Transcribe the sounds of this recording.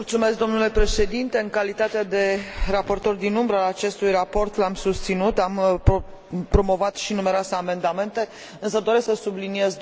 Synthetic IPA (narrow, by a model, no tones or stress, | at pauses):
mult̪sume̞s̬k̚d̪o̞mnule̞pɾe̞ʃe̞d̪int̪e̞ɨŋkalit̪at̪ead̪e̞rapo̞rt̪o̞rd̪inumbɾəaat͡ʃe̞st̪ujrapo̞rt̪lamsust̪sinut̪amp | pɾo̞mo̞vat̪ʃinume̞ɾoaseame̞nd̪ame̞nt̪e̞ | ɨnsəd̪o̞ɾe̞sksəsublinije̞z